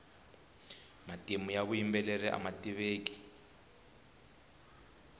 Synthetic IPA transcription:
matʼimujaβujimbɛlɛrɛʔa̰matʼiβeːkʼi̥

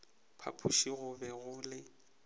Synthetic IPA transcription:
pʰa̰pʰuʃiɣʊbɛɣʊlɪ

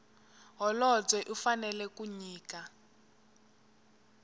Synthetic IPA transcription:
ɦɔlɔd͡zɛʔufanɛlɛkuɲiːka

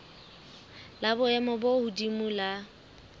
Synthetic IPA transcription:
labʊɛmɔbohudimula

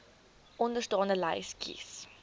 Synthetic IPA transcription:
ʔɔndəstɑːnəlaɪskʰḭs

